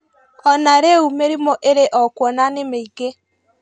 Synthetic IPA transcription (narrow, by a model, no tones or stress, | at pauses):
ɔnaɾeumeɾimɔʔeɾeʔɔkwɔnanemeiɡe